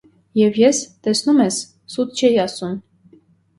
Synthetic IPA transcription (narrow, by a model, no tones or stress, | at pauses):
jɛvjɛst̪ɛsnumɛsː | ut̪̚ʰt͡ʃʰɛjiɑsum